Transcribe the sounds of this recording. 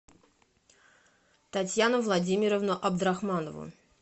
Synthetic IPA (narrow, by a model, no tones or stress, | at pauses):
t̪ɐtʲjanʊvlˠɐdʲimʲɪɾəvnəʔɐbd̪ɾaxmanəvʊ̰